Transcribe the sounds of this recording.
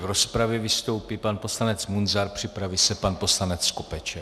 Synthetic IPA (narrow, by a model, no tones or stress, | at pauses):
vɾospɾavjɛvɪst̪o̞wpipanpo̞slanɛt͡smunzaɾpr̝̥ɪpɾavisɛpanpo̞slanɛt͡skopɛt͡ʃɛ